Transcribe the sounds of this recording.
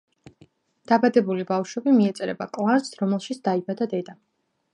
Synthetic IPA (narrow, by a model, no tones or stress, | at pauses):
d̪̥abad̪ɛbulibafʃwɛbimiɛt̪sʼɛɾɛ̰bakʼlˠansɾɔmɛlˠʃit̪sd̪aibad̪ad̪ɛd̪a